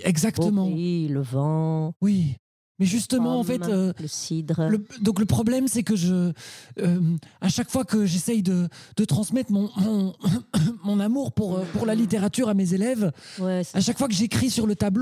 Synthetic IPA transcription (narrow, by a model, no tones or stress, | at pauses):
ɛɡzakt̪əmɑ̃iləvɑ̃wi | mɛʒyst̪əmɑ̃ɑ̃fɛøtləsid̪ʁləd̪ɔ̃kləpχɔblɛmsɛkəʒəː | maʃakfwakəʒesɛjd̪əd̪̥ət̪χɑ̃smɛt̪χmɔ̃mɔ̃ | mɔ̃namuːʁpuʁøpuʁlalit̪eʁat̪yʁamezelɛvwɛaʃakfwak̬əʒeekχisyʁlət̪abl